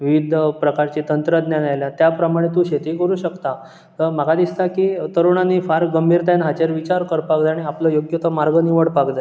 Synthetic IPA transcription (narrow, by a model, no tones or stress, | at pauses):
ʋiʋid̪ʱpɾəkaɾt͡ɕit̪ənt̪ɾəd̪njanajljat̪japɾəmaɽ̃et̪̬ũɕet̪ikəɾuːɕəkt̪a | t̪əɾmaɡad̪ist̪akiːt̪əɾuɳ̃aniːfaɾkɡəmbʱiɾt̪anɦat͡ɕeɾʋit͡ɕaɾkəɾpakd͡z̪aaɽ̃iapləjoɡjot̪əmaɾɡəniʋəɽpakd̪a